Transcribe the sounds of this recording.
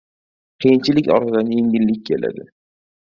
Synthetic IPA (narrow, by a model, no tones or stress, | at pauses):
qʰijɪnt͡ʃʰɪlɪkʲɒ̰ɾt̪ʰɪd̪anje̞ŋʲɪlːɪkʲkʰʲːe̞la̰d̪ɪ